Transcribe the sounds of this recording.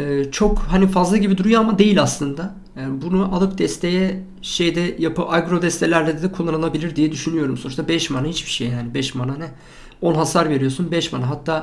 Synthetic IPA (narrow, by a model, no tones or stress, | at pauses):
ɛːt͡ʃʰo̞khanifazlˠaɟibid̪uɾujoamad̪e̞jilʲaslˠɯnd̪a | janbunuʔalˠɯk̚d̪ɛst̪ʰe̞jɛ | ʃejd̪ɛjapɯaɡɾo̞d̪ɛst̪ʰelʲæɾlʲɛd̪ɛd̪ɛkʰolˠːanɯnˠabilʲiɾd̪ijɛd̪yʃynyjo̞ɾumso̞nuʃt̪abɛʃmanahit͡ʃbi̥ʃejjaːnibɛʃmananɛ | o̞nɦasaɾve̞ɾijo̞sunbɛʃmanaɦat̪ʰːaː